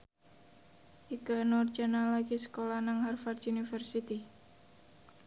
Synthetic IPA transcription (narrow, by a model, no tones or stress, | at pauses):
ʔikanɔrd͡ʒanalaɡisə̥kolanaŋharfad̪unifərsit̪i